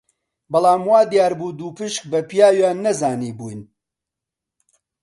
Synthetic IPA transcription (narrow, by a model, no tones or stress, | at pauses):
bɐlˠaːmwaːd̪ijaːɾbuːd̪uːpɨʃk̚bɐpijaːwjaːnːɐzaːniːbujn